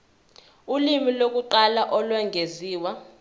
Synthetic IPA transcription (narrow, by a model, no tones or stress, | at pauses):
ulimilok̬uǃalaʔɔlwɛŋɡʱeziːwa